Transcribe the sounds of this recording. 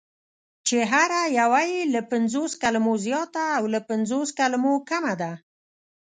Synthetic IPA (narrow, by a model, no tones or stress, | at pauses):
t͡ʃeɦaɾajawajilapɪnzoskalamozjɑt̪aːwlapanzoskalamokamad̪a